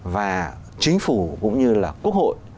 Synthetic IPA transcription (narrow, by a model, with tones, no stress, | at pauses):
vaː˨˩ | t͡ɕï˨˦ŋ̟fu˧˩kʊ̰˧˥ŋ͡mɲɨ˧laː˨˩ku˦˥ək̚ho̰˧˨j